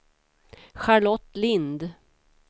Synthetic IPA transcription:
ɧaɭɔt̪ːlɪnd̪

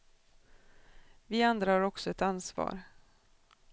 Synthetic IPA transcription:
vɪand̪ɾahaːɾɔksɔɛt̪ansvɑ̰ːɾ

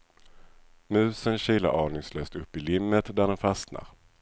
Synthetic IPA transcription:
mʉ̟ːsənɕiːla̰ʔɑːɳɪŋsløːst̪ɵpːɪlɪmːət̪d̪æɖɛnfasna̰ɾ

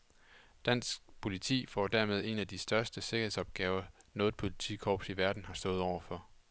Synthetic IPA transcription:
d̥æn̰sɡ̥pʰo̝lit͡sʰḭːfɒ̰d̥æɐmeð̞ˠe̝næd̥isd̥ɶɐsd̥əse̝ɡ̥ɐhe̝sɒ̽b̥̚ɡ̥ɛːʊɐnɔ̽ːð̩ˠpʰo̝lit͡sʰḭːkʰɒːb̥siʋæɐd̥n̩hɑ̈sd̥ɔ̽ːðˠɒʊ̰ɐfɒ̽

